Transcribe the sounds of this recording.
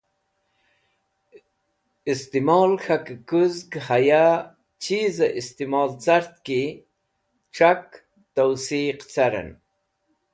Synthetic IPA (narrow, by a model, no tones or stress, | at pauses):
ist̪imɑːlxakkuzɡhaja | t͡ɕizaʔist̪imɑːlt͡saɾt̪̚ki | ʈ͡ʂak | t̪awsiqt͡saɾa̰n